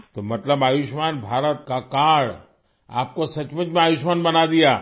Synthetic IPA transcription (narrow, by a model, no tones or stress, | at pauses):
t̪omɐt̪ləbaːjiʃmaːnbʱaːɾət̪kakaːɽ | a̰ːp̚kosɐt͡ʃmət͡ʃmẽaːjiʃmaːnbɐnad̪ijaː